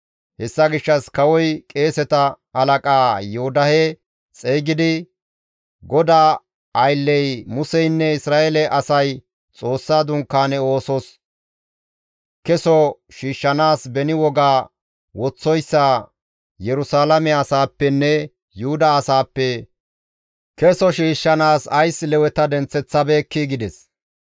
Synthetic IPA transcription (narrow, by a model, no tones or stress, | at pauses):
hɛsːɐɡɪʃːɐskɐwɔjkʼeːsɛt̪ɐ | ɐlɐkʼaːjʊhʊd̪ɐhɛ | t͡sʼeːɡɪd̪ɪ | ɡɔd̪aː | ɐjlːɛjmʊsɛjnːɛɪsɾaːʔelɛʔɐsɐj | t͡sʼo̞ːsːaːd̪ʊŋkːaːnɛoːsɔs | kɛsɔʃiːʃːɐnaːsbɛnɪwɔɡaː | wɔt͡sːɔjsːa | jɛɾʊsaːlɐmɛɐsaːpːɛnːɛ | jʊhʊd̪ɐːsaːpːɛ | kɛsɔʃiːʃːɐnaːsɐjslɛwɛt̪ɐd̪ɛnt͡sːɛt͡sːɐbeːkːiɡɪd̪ɛs